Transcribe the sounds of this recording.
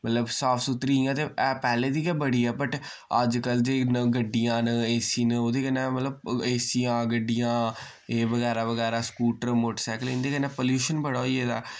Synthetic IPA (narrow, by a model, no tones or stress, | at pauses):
mət̪ləbsaːfʰsʊt̪ɾiːãːt̪eːɛːpɛːleːd̪iːkɛːbəɽiːɛːbəʈ | əd͡ʒkəld͡ʒeːnəɡəɖːɪjãːneːsiːnoːd̪eːkənɛːmət̪ləbeːsiːãːɡəɖːɪjãː | eːʋəɡɛːɾaːʋəɡɛːɾaːskuːʈəɾmoːʈəsɛːkəlĩːnd̪eːkənɛːpoːljuːʃənbəɽaːoieːd̪aː